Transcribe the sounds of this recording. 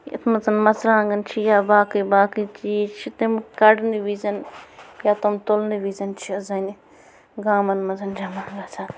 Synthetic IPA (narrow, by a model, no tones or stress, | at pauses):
jɐ̰t̪ʰmɐzɐnmɐsɾãːŋɡɐnt͡ʃʰijaːbaːkibaːkit͡ʃit͡ʃʰit̪ɐmkɐɖniʋiːzɐnjaːt̪omt̪olniʋiːzɐnt͡ʃʰiɐzɐni | ɡaːmɐnmɐzɐnd͡ʒɐmaːɡasʰa